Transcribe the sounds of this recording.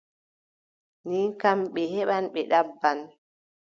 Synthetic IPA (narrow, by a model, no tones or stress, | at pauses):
nikamɓɛhɛɓanɓɛɗabːan